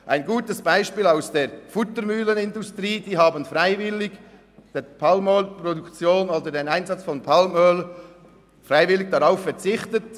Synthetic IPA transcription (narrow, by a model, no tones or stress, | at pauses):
ʔaɪnɡuːtəsb̥aɪʃpiːlaʊsd̥eːɾfʊtəɾmyːlənɪndʊstriːd̥iːɦɑːbənfʁaɪvɪlɪɡ | d̥eːpʰɑlmœlprɔdukt͡sjoːnoːdədenaɪnzɑt͡sfɔnpʰɑlmœl | fʁaɪvɪlɪɡ̥̚d̥ɑɾaʊffɛɾt͡sɪχtət